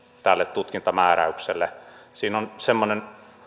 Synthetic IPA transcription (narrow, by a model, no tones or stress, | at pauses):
t̪ælːet̪t̪ut̪kint̪ɑmæːræ̰ykselːesiːnonsemːonen